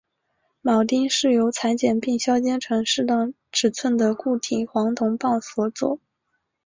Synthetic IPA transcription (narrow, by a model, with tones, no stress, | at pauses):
mɑ˨˩ʊt̪i˥ŋʂɻ̩˥˩jo˧˥ʊt͡sʰa˧˥ɪt͡ɕjɛ˨˩npi˥˩ŋɕjɑ˥ʊt͡ɕjɛ˥nʈ͡ʂʰɤ˧˥ŋʂɻ̩˥˧t̪ɑ˥˩ŋ | ʈ͡ʂɻ̩˨˩t͡sʰwə˥˩nd̪ə˩ku˥˩t̪ʰi˨˩xwɑ˧˥ŋt̪ʰʊ˧˥ŋpɑ˥˩ŋswɔ˧˥t͡so̰˥˩˦